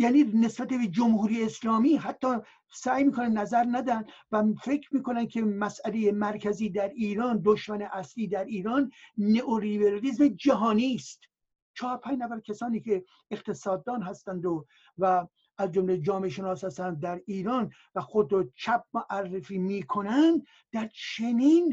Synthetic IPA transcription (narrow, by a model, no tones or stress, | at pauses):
jæːniːnesbæt̪ebed͡ʒomhuːɾijeːslɒːmiːɦæt̪ʰːɒː | sæːjmiːkʰonenæzæɾnæd̪ɒænd̪væfe̞kʰɾmiːkonæn̥̚kʲʰe̞mæsʔælejemæɾkʰæziːd̪æɾiːɾɒːnd̪oʃmæne̞ʔæsliːd̪æɾiːɾɒːnːeʔolibeɾɑlizmed͡ʒæɦɒːniːst̪ | t͡ʃʰɒːɾpʰænd͡ʒnæfæɾkʰʲæsɒːniːkʰe | eqt̪ʰe̞sɒːd̪̚ːɒːnɦæst̪ænd̪o | væ | ʔæzd͡ʒomled͡ʒɒːmeʃenɒːshæst̪ænd̪̚d̪ːæɾiːɾɒːn | væxod̪ɾot͡ʃʰæb̚moʔærːefiːmiːkʰonænd̪̚ | d̪̥æɾt͡ʃʰeniːn